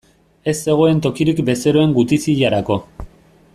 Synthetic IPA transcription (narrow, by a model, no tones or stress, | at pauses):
e̞zd̪e̞ɣ̞o̞e̞nt̪o̞kiɾikbe̞se̞ɾo̞e̞ŋɡut̪isiʎaɾako̞